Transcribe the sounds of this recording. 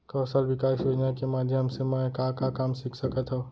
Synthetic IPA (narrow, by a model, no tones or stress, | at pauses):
kɔːsəlbɪkaːʃod͡ʒakemaːd̪ʱjəɦɐmsemɛkakakaːmsɪkʰsəkət̪ɦɛ